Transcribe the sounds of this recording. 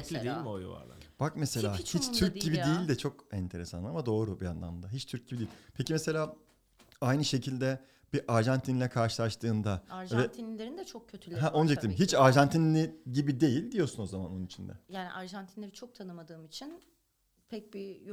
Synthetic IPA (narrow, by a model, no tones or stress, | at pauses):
lʲidejilʲmojṵva̰ɾla̰b̥akmese̞lʲaːhit͡ʃt̪ʰyɾc̚ɟibid̪ejilʲd̪ɛt͡ʃʰo̞kɛnt̪ʰe̞ɾesanˠamad̪o̞ːɾubia̰nlˠa̰md̪aɦit͡ʃt̪ʰyɾc̚ɟibid̪ijilʲpʰecimese̞lʲaː | ajnɯʃe̞cʰilʲd̪ɛ | b̥iʔaɾʒant̪ʰinlʲɛkʰaɾʃɯlˠaʃt̪ʰɯːnd̪aɾvɛt̪ʰinʲlʲeɾind̪ɛt͡ʃʰok̚cʰːøt̪ʰylʲɦɛʔond͡ʒak̪iimɦit͡ʃaɾʒant̪ʰinlʲiɟibid̪e̞jilʲd̪ijo̞ɾsuno̞zamano̞nunit͡ʃʰind̪ɛ̰jaːnḭʔaɾʒant̪ʰinlʲeɾit͡ʃʰok̚t̪ʰanɯmad̪ɯːmit͡ʃʰin | pʰɛc̚bi